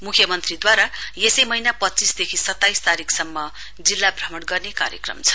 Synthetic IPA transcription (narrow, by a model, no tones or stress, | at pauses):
mukʰjʌmʌnt̪rid̪waɾajesʌjmʌinapʌtːt͡sisd̪ekʰisʌt̪ːajst̪aɾiksʌmːʌ | d͡zilːabrʌmʌɽɡʌrneka̰ɾjʌ̰krʌ̰mt͡sʰʌ̥